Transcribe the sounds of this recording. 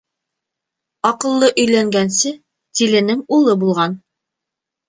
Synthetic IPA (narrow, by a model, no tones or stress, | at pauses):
ɒqɤ̆lˠːɤʔɵ̆jlæŋɡænsɘ | t̪ilɘ̆nɘŋulˠɤbulˠʁɑn